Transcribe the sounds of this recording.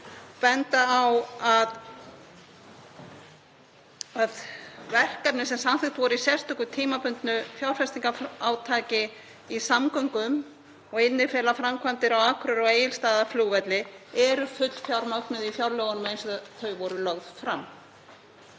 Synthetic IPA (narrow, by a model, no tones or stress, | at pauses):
pɛnt̪aːwað | aðvɛr̥kapnɪsɛmsanθɪŋt̪vɔɾisjɛr̥st̪ʏhkʏt̪ʰiːmapʏnt̪nʏfjawɾ̥fɛst̪iŋkafaːwt̪ʰaːcɪ | isamkœŋkʏm | ɔɣɪnːɪfɛːlafɾamkʰvant̪ɪɾawaːkʰɾʏɾɔeːjɪlst̪aːðafluːvɛt̪lɪɛɾʏfʏt̪l̥fjawɾmœknʏðifjawɾlœːɣɔnmejnsɔðθœɥvɔɾʏlœɣð̥fɾam